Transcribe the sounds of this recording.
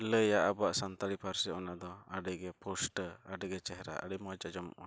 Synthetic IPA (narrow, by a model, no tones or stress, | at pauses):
ləjaʔabaʔsant̪aɾipʰaɾsiɔnad̪ɔaɖɛɡɛpʰɔsʈəaɖɛɡɛt͡ʃɛɦɛɾa̰ʔə̰ɽəmɔd͡ʒad͡ʒɔmʔɔ̰n